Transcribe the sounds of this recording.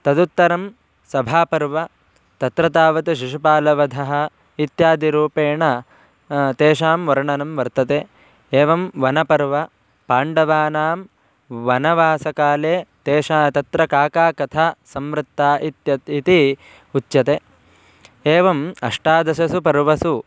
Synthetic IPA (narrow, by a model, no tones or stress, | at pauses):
t̪ɐd̪ut̪ːɐɾɐm | sɐbʱaːpɐɾʋɐ | t̪ɐt̪ɾɐt̪aːʋɐt̪uʃ̬iʃupaːlɐʋɐd̪ʱɐɦɐ̆ | it̪jaːd̪iɾuːpeːɳɐ | t̪eːʃaːmʋɐɾɳɐnɐmʋɐɾt̪ɐt̪eː | eːʋɐmʋɐnɐpɐɾʋɐ | paːɳɖɐʋaːnaːm | ʋɐnɐʋaːsɐkaːleːt̪eːʂaːt̪ɐt̪ɾɐkaːkaːkɐt̪ʰaːsɐmʋɾɪt̪ːaːʔit̪jɐit̪i | ut̪ːjɐt̪eː | eːʋɐmɐʂʈaːd̪ɐsɐsupɐɾʋɐsu